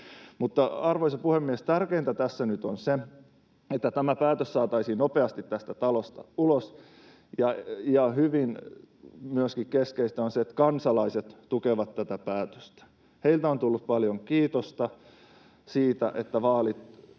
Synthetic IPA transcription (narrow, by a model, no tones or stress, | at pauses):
mut̪ːɑɑrʋoisɑpuhemːiest̪ærkeint̪æt̪æsːænyt̪onse | et̪ːæt̪æmæpæːt̪øssɑːt̪ɑisiːnnopeɑst̪it̪t̪æst̪æt̪ɑlost̪ɑ̰ulos | jɑjɑhyʋin | myøskikkeskeist̪æonseet̪kɑnsɑlɑiset̪tukeʋɑt̪tæt̪æpæːt̪ø̥st̪æ̥ | heilt̪æont̪ulːup̚pɑljoŋkiːt̪ost̪ɑ | siːt̪æ̰ʔet̪ːæʋɑːlit̪